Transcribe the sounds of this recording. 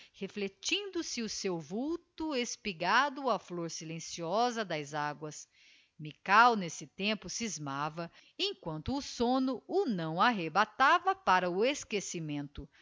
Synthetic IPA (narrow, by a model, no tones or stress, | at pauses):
heflet͡ʃĩnd̪ʊsɪʊsewvuwt̪ʊespiɡad̪ʊɐfloɾsilẽsiɔzɐd̪ɐzaɡwɐs | mikawnesɪt̪ẽpʊsizmavɐ | ẽkwɐ̃nt̪ʊːsõnʊʊnɐ̃w̃aɦebat̪avɐpaɾɐʊeskesimẽnt̪ʊ